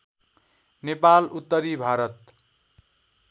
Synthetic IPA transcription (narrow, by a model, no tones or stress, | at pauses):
nepalut̪ːʌɾibʱaɾʌt̪̚